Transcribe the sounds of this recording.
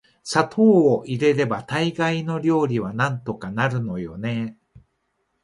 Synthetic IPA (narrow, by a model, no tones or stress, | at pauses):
sat̪ʰo̞ːʔiɾe̞ɾe̞bat̪aiɡaino̞ɾʲo̞ːɾʲiβanãnt̪o̞kanaɾɯ̟no̞jo̞ne̞